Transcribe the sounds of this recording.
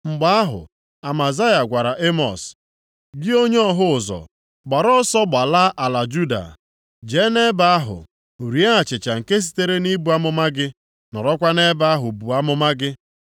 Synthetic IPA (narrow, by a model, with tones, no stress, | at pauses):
ŋ͡m̩˨ɡ͡ba˦a˦ɦʊ̰˨ | a˨ma˨za˦ja˨ɡʷa˨ɾa˨ʔe˦mɔ̰˨s | ɡɪ˦o˦ɲ˦ɔ˦ɦʊ˦˨zɔ̰˨ | ɡ͡ba˨ɾɔ˦sɔ˦ɡ͡ba˨la˦ʔa˨la˨d͡ʒu˦da̰˨ | d͡ʒe˨˦ne˦ba˨a˦ɦʊ̰˨ | u˨ɾi˨a˦a˨t͡ʃɪ˨t͡ʃa˨ŋ̩˨ke˦s̬i̥˦te˦ɾe˦ni˦bu˨˦a˦mʊ˦ma˦ɡɪ˦ | nɔ̰˨ɾɔ˦kʷa˦ne˦ba˦a˦ɦʊ˨bu˨a˦mʊ˦ma˦ɡɪ˦